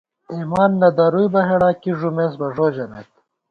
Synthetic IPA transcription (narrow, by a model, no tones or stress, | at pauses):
imaːnːɐd̪aɾujbɐɦeɽaːkiʐumes̬bɐʐoːd͡ʑɐnḛt̪